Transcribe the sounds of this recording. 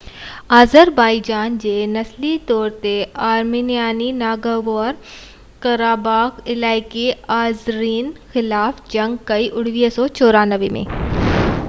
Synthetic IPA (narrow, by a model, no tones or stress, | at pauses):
aːzəɾbaːid͡ʒaːnd͡ʒeːnɐslit̪ɔːɾt̪eaːɾmiːnijaːninaːɡəʋɔːɾ | kɐɾaːbaːkɪlaːɪkiaːzɾiːnxɪlaːfd͡ʒɐ̃ŋɡkɐiʔʊɽ̤ʋiːsɔːt͡ʃɔːɾanəʋemḛ̃ː